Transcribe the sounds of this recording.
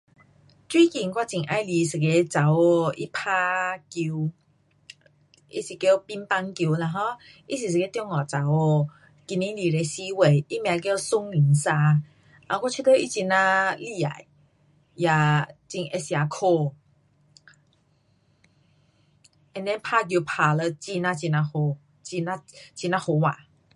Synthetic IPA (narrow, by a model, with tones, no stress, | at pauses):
t͡swi˦ki˨ŋkwa˦˧t͡ɕi˨˩ŋʔa˧˦jli˧˦sɨ˨ke˧t͡sa˨˦wo˧ḭ˦pʰa˦ki˧w | ʔḭ˦si˨˩ke˦˧pi˦npa˧ŋki˧la˧ɦɔ̃˧˦ | i˦si˨s̬ɨ˨ke˦t̪jɔ˧ŋɔ˨t͡sa˨˦wo˧ | ki˧nĩ˦li˨˩le˧si˦we˨i˦mj̃ã˨˧k̬o˧su˦ŋli˨˦ŋsa˧ | a˧˨˧kɔ˦t͡ɕʰi˦t̪ʰə˦ʔi˧˦t͡ɕi˧nã˧li˦˧˨a̰˨˦j | ja˨t͡ɕi˧ŋʔe˧sja˨˧kʰo˧ | ɛ˧nɛ̃˦pʰa˥˧k̬ji˧pʰa˨˧lə˧t͡ɕi˧nã˧t͡ɕi˧nã˧ho˧ | t͡ɕi˧na˧˦t͡ɕi˧nã˧ho˧˦wa˨